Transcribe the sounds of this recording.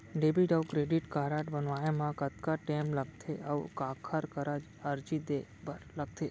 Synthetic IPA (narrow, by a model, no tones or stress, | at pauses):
ɖebiɖəʋkɾeɖiʈkaɾaʈbənʋajemãkət̪kaʈemləɡ̚t̪ʰeʔəʋkakʰaɾkəɾa | əɾd͡ʒid̪ebəɾləɡ̚t̪ʰe